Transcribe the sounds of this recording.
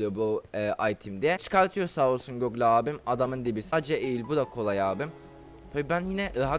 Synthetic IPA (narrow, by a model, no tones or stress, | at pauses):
ɯjobuɛːʔajt̪ʰimd̪ɛt͡ʃʰɯ̥kaɾt̪ʰɯjo̞saolˠsunɟøɡlʲaaːbimad̪amɯnd̪ibisad͡ʒɛʔejilʲbud̪akʰo̞lˠajaːbim | pʰebibænjinɛɾaɦa